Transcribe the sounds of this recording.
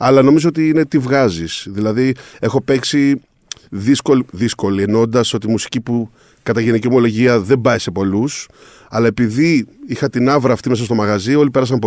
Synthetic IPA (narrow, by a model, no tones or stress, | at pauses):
ɐlɐno̞mizoo̞t̪iine̞t̪ivɣɐzisðilɐðie̞xo̞pe̞ksi | ðisko̞liðisko̞lie̞no̞nd̪ɐso̞t̪imusi̥cipu | kɐt̪ɐʝe̞nicio̞mo̞lo̞ʝiɐðe̞mbɐese̞po̞lus | ɐlɐe̞piðiixɐt̪inɐvɾɐːft̪ime̞s̬ɐst̪o̞mɐɣɐzio̞lipeɾɐs̬ɐmpo